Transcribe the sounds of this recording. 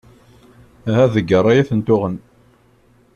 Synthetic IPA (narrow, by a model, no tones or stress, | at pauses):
ɦæðəɡːəɾˤæjæθənt̪ʊʁən